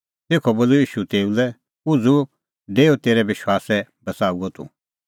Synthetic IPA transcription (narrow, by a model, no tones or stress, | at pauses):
t̪eːkʰɔboːlujiːʃut̪eːulɛ | ʊd͡zu | ɖeːot̪eːɾɛʋɪʃwaːsɛbɐsaːuɔt̪ʰṵ